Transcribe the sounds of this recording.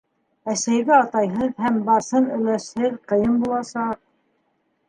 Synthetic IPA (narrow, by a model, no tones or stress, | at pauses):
æsæjβɘɑt̪ɑjɦɤðhæmbɑsɤnɵ̆læʃhɘðqɤ̆jɤmbulˠɑsɑq̚